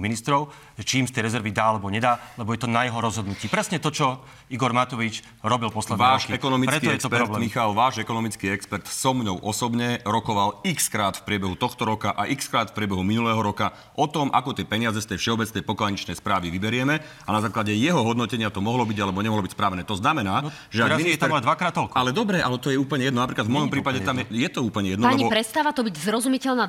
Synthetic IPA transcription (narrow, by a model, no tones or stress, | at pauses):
minist̪ɾɔʊ | ʒɛt͡ʃiːmst̪ɛjɾɛzɛɾʋid̪aːalɛbɔɲɛd̪aːlɛbɔjɛt̪ɔnajɛɦɔɾɔzɦɔd̪nuciːpɾɛsɲɛt̪ɔt͡ʃɔ | iɡɔɾmat̪ɔʋit͡ʃ | ɾɔbilpɔslɛʋaːʃɛkɔnɔmipɾt͡sɛtkiɛjɛkst̪ɔpɛɾɔtblɛmixalʋaːʒɛkɔnɔmit͡skiɛkspɛɾt̪sɔmɲɔʊʔɔsɔbɲɛɾɔkɔʋalikskɾaːt̪fpɾɪɛbɛɦut̪ɔxt̪ɔɾɔkaʔaʔikskɾaːt̪fpɾɪɛbɛɦuminulɛːɦɔɾɔka | ʔɔt̪ɔmʔakɔt̪ɪɛpɛɲɪazɛst̪ɛjfʃɛɔbɛt͡snɛjpɔklaɲit͡ʃnɛjspɾaːʋiʋibɛɾɪɛmɛ | anazaːklaɟɛjɛɦɔɦɔd̪nɔcɛɲɪat̪ɔmɔɦlɔbiɟalɛbɔɲɛmɔɦlɔbicspɾaːʋɛnɛːt̪ɔznamɛnaː | ʒɛaɡinit̪d̪ʋakɾaːt̪ːɔlkalɛd̪ɔbɾɛʔalɛt̪ɔjɛuːpl̩ɲɛjɛd̪nɔnapɾiːkad̪vmɔjɔmpɾiːpaɟɛt̪amɛjɛt̪ɔuːpl̩ɲɛjɛd̪npːɲiɔpɾɛt̪st̪aːʋat̪ɔbiɟzɾɔzumicɛlna